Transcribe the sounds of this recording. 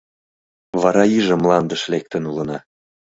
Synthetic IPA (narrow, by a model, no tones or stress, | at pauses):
βɑɾɑiʒə̆mlɑnd̪əʃlek̚t̪ə̆nulə̆nɑ